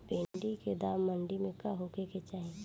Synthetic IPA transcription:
pẽːɳɖiked̪aːmːəɳɖimẽkaɦoːkeket͡ʃaːɦẽ

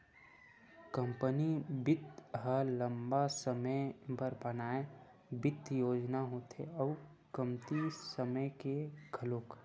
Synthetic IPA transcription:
kə̃mpənibɪt̪ɦələmbasəməjbʱəɾbənaːe | bɪt̪joːd͡ʒnaɦot̪ʰḛɔu | kəmt̪isəməjkeɡʱəloːk

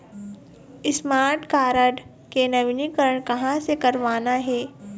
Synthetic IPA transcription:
ɪsmaːɾʈkaːɾəɖ | kenɐʋɪnikəɾəɳ̃kɐɦãsekɐɾʋaːnaɦɛː

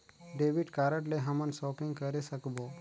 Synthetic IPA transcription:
ɖebiʈkaɾəʈleɦəmənsɔpĩŋɡkəɾesəkbo

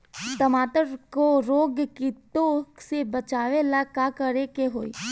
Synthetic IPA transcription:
t̪əmaːt̪əɾkoɾoːɡkit̪oksebət͡ʃaːʋelakakəɾekeɦoːḭ

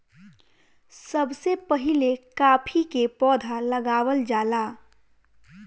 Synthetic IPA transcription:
səbsepəɦɪlekaːpʰikepɔːd̪ʱaləɡaːwəld͡ʒaːlaː

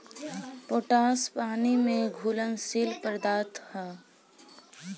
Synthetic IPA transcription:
poːʈaːspaːnimẽɡʱuːlənsiːlpəɾd̪aːt̪hɛ̃ː

